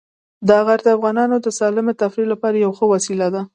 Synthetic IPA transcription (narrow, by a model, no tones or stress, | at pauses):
d̪əɣaɾd̪afɣɑnɑnod̪əsɑlɪmet̪afɾilapɑɾajawxəwasilad̪a